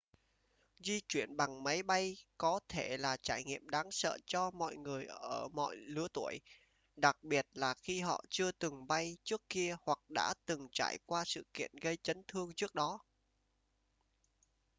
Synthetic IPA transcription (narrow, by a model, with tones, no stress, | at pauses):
zi˧t͡ɕwi˧˩ənɓa˨˩ŋma˨˦jɓa˧jkɔ˨˦t̪ʰe˧˩laː˨˩t͡ɕaː˧˩jŋḭ˧˨əmɗaː˨˦ŋsə̰ː˧˨t͡ɕɔ˧mɔ̰˧˨jŋɨ˨˩əjʔəː˧˩mɔ̰˧˨jlɨ˨˦ət̪u˧˩əj | ɗa˨˩k̚ɓi˨˩ət̚laː˨˩xi˧ɦɔ̰˧˨t͡ɕɨ˧ət̪ɨ˨˩ŋɓa˧jt͡ɕɨ˦˥əkːi˧əhwa˨˩k̚ɗa̰ː˧˥t̪ɨ˨˩ŋt͡ɕa̰ː˧˩jkwaː˧sɨ̰˧˨kḭ˧˨ənɣə˧jt͡ɕə˨˦nt̪ʰɨ˧əŋt͡ɕɨ˦˥ək̚ɗɔ˨˦